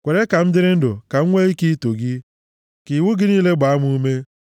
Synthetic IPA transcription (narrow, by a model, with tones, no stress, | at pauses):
kʷe˨ɾe˦ka˨m̩˦dɪ˦ɾɪ˦n̩˦do˨ka˨ŋ̩˦ŋʷe˦i˦ki˦to˨ɡɪ˦ | ki˨wʊ˦ɡɪ˦niː˦le˦ɡ͡ba˨a˦m˦u˦u˦me˦